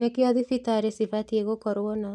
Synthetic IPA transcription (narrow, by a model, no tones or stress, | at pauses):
ekeɔðifitaɾesifatieɣokɔɾwɔna